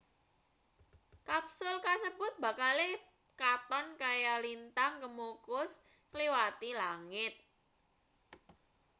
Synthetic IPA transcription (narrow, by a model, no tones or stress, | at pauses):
kapsʊlkasəbʊ̤t̪̚b̥a̤kale | kat̪ɔnkajalint̪aŋkəmokʊs | kliwat̪ilaŋɪt̪̚